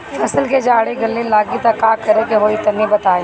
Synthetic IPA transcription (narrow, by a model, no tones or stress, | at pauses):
ɐsəlked͡ʒaːɽeɡɐlːelaːɡit̪ɐkːaːkɐɾekeɦoːit̪ɐmĩbɐt̪aːe